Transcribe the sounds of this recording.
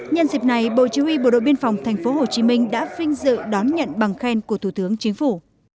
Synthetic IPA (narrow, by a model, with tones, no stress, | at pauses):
ɲə˧nzï˨˩p̚na˨˩jɓo̰˧˨t͡ɕi˨˦wi˧ɓo̰˧˩ɗo̰˧˨ɓi˧ənfa˨˩wŋ͡mt̪ʰa˨˩jŋ̟fo˨˦ɦo˨˩t͡ɕi˨˦mï˧ŋ̟ɗa̰ː˧˥vï˧ŋ̟zɨ̰˧˨ɗɔ˨˦nɲə̰˧˨nɓa˨˩ŋxɛ˧nku˧˩ət̪ʰu˧˩t̪ɨ˨˦əŋt͡ɕï˨˦ŋ̟fu˧˩